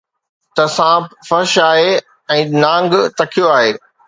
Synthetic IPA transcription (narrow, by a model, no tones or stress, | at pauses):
t̪ɐsãːfɐɾʃaːɦe | ɛ̃ːnãːŋɡt̪ɐkʰijoaːɦeː